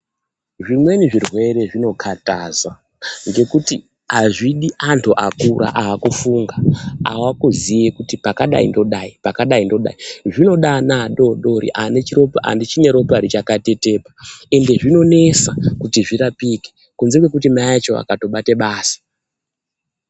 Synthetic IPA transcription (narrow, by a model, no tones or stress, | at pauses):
ʐimwe̞niʐirwe̞ɾe̞ʐino̞kʰataza | ŋɡe̞kutḭ | aʐiɗiʔantʰuʔakuɾa̰ʔaːkufuŋɡaa̰wakuzijekutipakaɗa̰ḭndo̞ɗaipakaɗaindo̞ɗa̰iʐino̞ɗanaɗo̞ɗo̞ɾḭʔane̞t͡ʃiɾo̞poʔa̰ndit͡ʃine̞ɾo̞poaɾit͡ʃakate̞te̞ːpae̞nde̞ʐino̞ne̞sakutiʐiɾapiːke | kunzekwe̞kut̬imaat͡ʃo̞a̰kato̞ɓateɓaːsi̥